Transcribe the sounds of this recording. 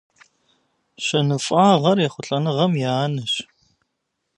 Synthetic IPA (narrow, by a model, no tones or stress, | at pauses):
ɕɐnɨfʷʼɑːʁɐrjɛχʷʊɬʼɐnɨʁɐmjaːnɨɕ